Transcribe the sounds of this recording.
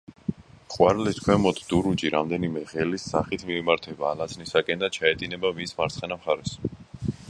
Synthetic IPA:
χʼwaɾliskʰwɛmɔt̪ʰd̪̥uɾud͡ʒiɾamd̪ɛnimɛʁɛlisːa̰χit̪ʰmiːmaɾt̪ʰɛbaːlat̪sʰnisakʼɛnd̪at͡ʃʰaɛt̪ʼinɛbavinsmaɾt̪sʰχɛnamχaɾɛs

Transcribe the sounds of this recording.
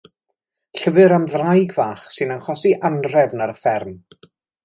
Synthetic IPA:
ɬəvɨɾamðrajɡvaːχsɨnanχɔsiʔanr̥ɛvnaɾəfɛrm

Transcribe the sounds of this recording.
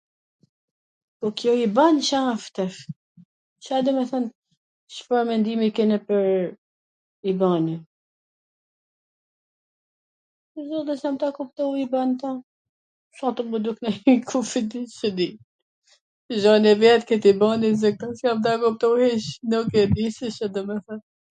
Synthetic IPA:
pɔkjɔibanʃaft̪ɛf | ʃad̪ɛmɛθan | ʃfaɾmɛnd̪imikɛnɛpəɾ | ibani | zɔd̪ɛsjamt̪akup̚t̪ɔwibant̪a | fat̪ɔmud̪uknakʰufid̪iʃəd̪i | ʒɔnɛvɛt̪kɛt̪ibanizɛk̚t̪asjamt̪akup̚t̪ɔhiʃnukɛd̪iʃəʃad̪ɔmɛθən

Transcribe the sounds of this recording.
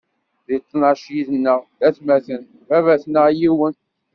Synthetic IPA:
ðit͡s̪ˤːnɑʃjiðənːəʁðæθmæθən | vævæθnəʁjiwən

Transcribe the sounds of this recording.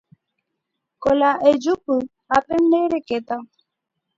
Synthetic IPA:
kolaʔed͡ʒupu | apɛn̩deɾeket̪a

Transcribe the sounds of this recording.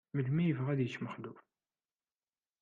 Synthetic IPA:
məlmijəvəʁæðjət͡ʃːməχluf

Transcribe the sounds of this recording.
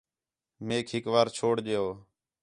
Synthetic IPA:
meːkʰɦɪkʋaːɾt͡ʃʰoːɽɗeːoː

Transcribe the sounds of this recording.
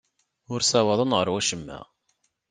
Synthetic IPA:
ʊɾsæwɑðˤənʁəɾwæʃəmːæ̰

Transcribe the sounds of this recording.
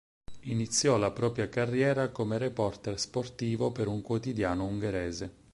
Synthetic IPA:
init̪sːjɔlapɾɔːpɾjakarːjɛːɾakomeɾepɔrt̪ɛrsport̪iːvopeɾuŋkwot̪id̪jaːnouŋɡeɾɛːze

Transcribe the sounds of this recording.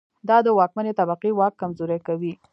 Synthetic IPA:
d̪ɑd̪əwɑkmanet̪abaqiwɑkːamzoɾakawi

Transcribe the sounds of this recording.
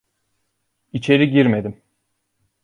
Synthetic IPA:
it͡ʃʰe̞ɾiɟiɾme̞d̪im

